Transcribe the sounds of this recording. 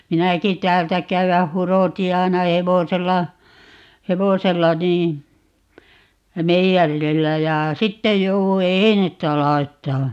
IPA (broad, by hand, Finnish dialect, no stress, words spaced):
minæki tæːltæ kæywæh̆ huroti ɑi̯nɑ heʋoselːɑ heʋoselːɑ niː meijærilːæ jɑ sitːej jouwu einetːæ lɑi̯tːɑː